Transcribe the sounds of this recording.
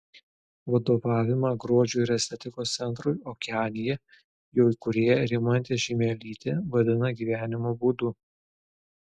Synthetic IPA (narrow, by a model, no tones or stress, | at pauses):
ʋɐd̪oːʋɑːʋʲɪmɑːɡɾuɔd͡ʒʲuːɪɾɛsʲt̪ʲɛt̪ʲɪkoːst̪sʲɛnˑt̪ɾʊɪoːkʲɑːnʲɪjɛ | joːkʊɾʲeːjɛɾʲɪmɐnʲt̪ʲeːʒʲɪːmʲɛlʲiːt̪ʲeːʋɐd̪ʲɪnɐɡʲiːʋʲæːnʲɪmoːbuːd̪ʊ